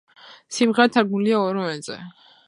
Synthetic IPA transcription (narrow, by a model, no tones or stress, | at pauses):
simʁɛɾt̪ʰaɾɡnuliaɔɾɔvɛnzɛ̰